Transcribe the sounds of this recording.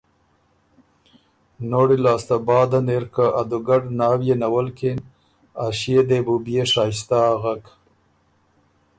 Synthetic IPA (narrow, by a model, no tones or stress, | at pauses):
noɽilɑːst̪abɑːd̪aneɾkaʔad̪uɡaɖnɑːwjenawalkin | aʃijed̪ebubjeʂɑːst̪aɣak